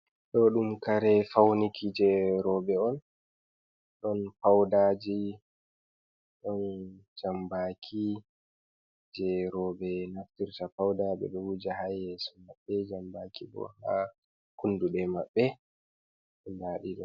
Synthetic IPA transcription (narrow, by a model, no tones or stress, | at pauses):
ɗɔɗumkaɾɛfawnikʰid͡ʒɛɾɔbɛɔn | ɗɔnfawdad͡ʒi | ɗɔnd͡ʒambakʰi | d͡ʒɛɾɔbɛnaftiɾtafawdaɓɛ̰ɗɔwud͡ʒaɦajɛsɔmaɓːɛd͡ʒambakibɔ̰ha̰ | kunduɗɛmaɓːɛ | ɓɛndaːɗiɗɔn